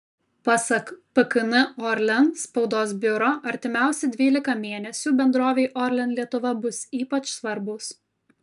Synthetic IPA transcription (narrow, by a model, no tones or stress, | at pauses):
pɑsɐkpɐkɪnɪɔɾʲlʲɛnspɒʊd̪oːsbʲʊɾoːʔɐɾʲt̪ʲɪmʲæˑʊsʲɛd̪ʲʋʲiːlʲɪkɐmʲeːnʲɛsʲuːbʲɛnd̪ɾoːʋʲeɪʔɔɾʲlʲɛnlʲiɛt̪ʊʋɐbʊsiːpɐt͡ʃsʋɐɾbʊs